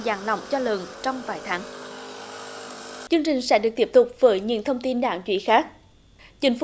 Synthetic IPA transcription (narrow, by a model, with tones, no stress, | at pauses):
zaː˨˩nlɔ̰˧˨wŋ͡mt͡ɕɔ˧lə˨˩nt͡ɕɔ˧wŋ͡mvaː˨˩jt̪ʰaː˨˦ŋ | t͡ɕɨ˧əŋt͡ɕï˨˩ŋ̟sɛ̰˧˥ɗɨ˨˩ək̚t̪i˦˥p̚t̪ʊ˨˩k͡p̚vəː˨˦jɲɨ̰˧˥ŋt̪ʰə˧wŋ͡mt̪i˧nɗa̰ː˧˩˨ŋt͡ɕwḭ˧˥xaː˦˥k̚ | t͡ɕï˨˩˦ŋ̟f